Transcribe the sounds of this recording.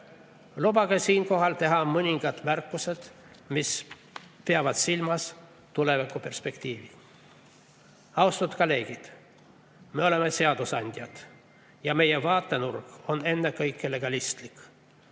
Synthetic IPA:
lubɑɡ̥esiːnko̞ɦɑlt̪e̞ɦɑmɤnʲiŋɡ̥ɑt̪mærkːˑuse̞d̪̥ | mis | peɑvɑd̪silmɑs | t̪ule̞vikːˑupe̞rspe̞kt̪ʲiːvi | ɑwst̪ut̪kɑle̞ːɡ̥id̪̥ | meo̞le̞mese̞ɑd̪̥usɑnʲd̪̥ʲjɑd̪̥ | jɑme̞jevɑːt̪ːenurkone̞nːekɤjkːˑele̞ɡ̥ɑlist̪likˑ

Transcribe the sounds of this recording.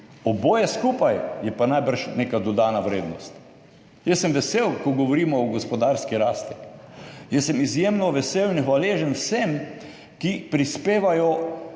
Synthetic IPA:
ɔboːjɛskuːpajjɛpanajbəɾʃneːkad̪ɔd̪aːnaʋɾeːd̪nɔst̪ | jɛsːɛmʋɛsewkɔɡɔʋɔɾiːmɔːɡɔspɔd̪aɾskiɾaːst̪i̥ | jɛsːɛmizjemnɔʋɛsewinxʋaleːʒənwsɛm | kipɾispeːʋajɔ

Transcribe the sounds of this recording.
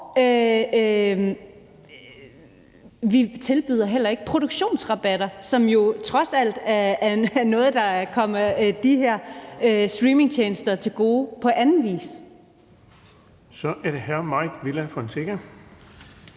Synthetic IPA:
ø | ʋit͡sʰe̝lb̥yðˠɐɦel̰ɐe̝ɡ̥ə̥pʰʁoɾ̥uɡ̥ɕo̝̰ːnsʁɑ̈b̥æd̥ɐsɒ̽mjo̝t͡sʰʁɒ̽sæl̰d̥ɐɐnɔ̽ːð̞̩ˠd̥ɑ̈kʰɒ̽m̰ɐd̥iɦæɐ̰øsd̥ʁiːme̝ŋt͡ɕʰeːnsd̥ɐt͡sʰe̝lɡ̥o̝ːpʰɒ̽ʔænn̩ʋḭːs | sɒ̽ʔæɐɾ̥ehæɐ̰mɑ̈ɪ̰d̥ʋilæfɒ̽nse̝ɡ̥æ

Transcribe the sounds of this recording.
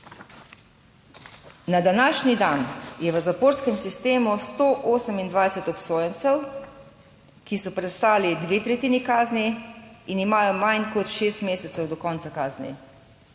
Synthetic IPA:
nad̪anaːʃnid̪anjɛʋəzapoːɾskɛmsist̪eːmust̪oːʔoːsəmind̪ʋajsɛt̪ɔpsoːjɛnt̪sɛw | kisɔpɾɛst̪aːlid̪ʋeːt̪ɾɛt̪iːnikaːzniinimaːjɔmajnkɔt̪ʃeːst̪meːsɛt̪sɛwd̪ɔkɔːntsakaːznḭ

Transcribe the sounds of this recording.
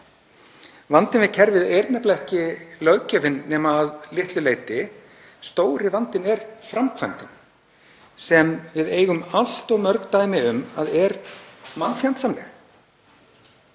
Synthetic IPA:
vant̪ɪnvɪðcʰɛɾvɪðejɾnɛplɛhcɪlœɥcœvɪnːɛːmaːðlɪht̪lʏleːjt̪ɪ | st̪oːwɾɪvant̪ɪnɛɾfɾamkʰva̰nt̪ɪn | sɛmvɪðeːjɣʏmal̥t̪ɔɣmœɾkt̪aːjmɪʏmaðɛɾmanːfjawnt̪sanlɛ̰x

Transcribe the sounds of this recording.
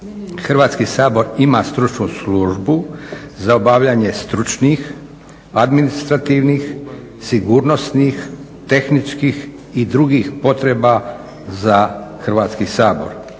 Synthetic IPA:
xr̩ʋaːt̪skisaːbo̞ɾimast̪ɾut͡ʃnusluʒbuzaobaʋʎaɲe̞st̪ɾut͡ʃnix | ad̪minist̪ɾat̪iːʋniːx | siɡuɾnosnix | t̪e̞xnit͡ʃkix | id̪ɾuɡixpo̞t̪ɾeba | zaxr̩ʋaːt̪skisaːbo̞̰ɾ

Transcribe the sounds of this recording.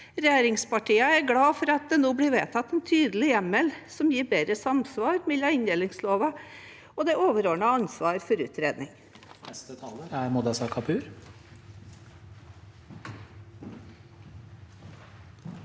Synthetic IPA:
ɾɛjeːɾɪŋspɑʈʰiːəæɾɡɽɑːfɔɾɑt̪̚d̪ɛnoːblɪɾʋeːt̪ʰɑt̪ːɛnt̪ʰyːd̪əlɪjɛmɛlsɔmjiːɾbeːd̪ɾəsɑmsʋɑːɾmɛlɑɪnd̪ɛlɪŋsloːʋə | ɔd̪ɛoːʋəɾoːɳɑɑnsʋɑːɾfɔɾʉ̰ːt̪ɾeːd̪nɪŋ | nɛst̪ət̪ʰɑːləɾæɾmʊd̪ɑsɑkʰɑpʰʉːɾ

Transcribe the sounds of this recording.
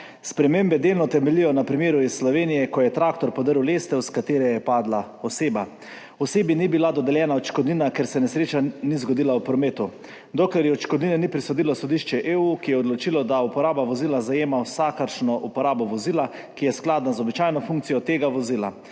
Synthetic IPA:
spɾɛmembɛd̪eːlnɔt̪ɛmɛlijɔnapɾimeːɾuisːlɔʋeːnijɛkɔjɛt̪ɾaːkt̪ɔɾpɔd̪əɾwlest̪ɛwskat̪eːɾɛjɛpaːd̪la | ɔseːba | ɔseːbinibilad̪ɔd̪ɛljɛːnaɔt͡ʃkɔd̪ninakeɾsɛnɛsɾeːt͡ʃanizɡɔd̪ilawpɾɔmeːt̪u | d̪oklɛɾjɛɔt͡ʃkɔd̪ninɛnipɾisɔd̪ilɔsɔd̪iʃt͡ʃɛʔeuːkijɛɔd̪lɔt͡ʃilɔd̪aupɔɾaːbaʋɔziːlazajeːmawsakaɾʃnɔʔupɔɾaːbɔʋɔziːlakijɛsklad̪nazɔbit͡ʃaːjnɔfuŋkt̪sijɔt̪eːɡaʋɔzila̰

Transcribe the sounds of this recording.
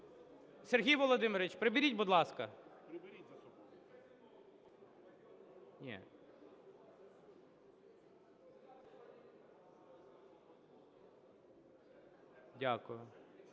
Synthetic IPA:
serɦʲijʋɔlˠɔd̪ɪmɪɾʲɪt͡ʃpɾebʲiɾʲitʲbud̪lˠɑskɐ | nʲɛ̰ | dʲakʊjʊ

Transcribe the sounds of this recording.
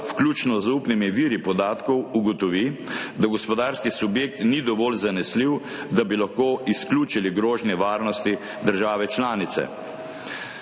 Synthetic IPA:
wklʲuːt͡ʃnɔzupnimiʋiːɾipɔd̪aːt̪kɔwuɡɔt̪ɔʋid̪aɡɔspɔd̪aːɾskisubjeːk̚t̪nid̪ɔʋɔːlzanɛsliw | d̪abilaxkoːʔiskluːt͡ʃiliɡɾoːʒnjɛʋaːɾnɔst̪i | d̪əɾʒaːʋɛt͡ʃlaːnit̪sɛ̰

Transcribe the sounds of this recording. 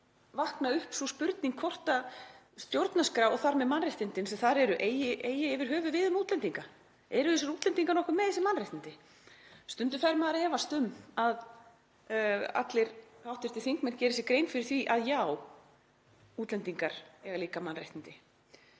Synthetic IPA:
vahknaʏhpsɔspʏɾt̪niŋkʰvɔr̥t̪a | st̪jowɾt̪naskɾaːwɔθaɾmɛðmanrajht̪ɪnt̪ɪnsɛθaɾɛɾʏʔeːjɪʔeːjɪɪvɪɾ̥ɦœːvʏvɪðʏmuːt̪lɛnt̪iŋka | ɛɾʏθɛs̬ɪɾuːt̪lɛnt̪iŋkaɾnɔhkʏmːɛðθɛsɪmanrajht̪ɪnt̪ɪ | st̪ʏnt̪ʏ̥θaɾmaðaɾɛːvast̪ʏmað | a̰t̪lɪɾhawht̪ɪɾ̥ɪθiŋkmɛn̥cɛːɾɪsɪkɾeːjnfɪɾɪɾ̥θviʔaðjaw | uːt̪lɛnt̪iŋkaɾ̥ɛɣaliːkamanrajht̪ɪnt̪ɪ

